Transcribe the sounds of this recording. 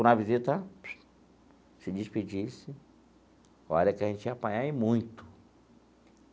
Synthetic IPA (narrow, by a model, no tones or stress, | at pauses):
ʊ̃nɐvizit̪ɐ | sɪd͡ʒɪspid͡ʒisɪ | ɔɾɐkɪaʒẽnt͡ʃɪapãɲaɪmũj̃t̪ʊ̥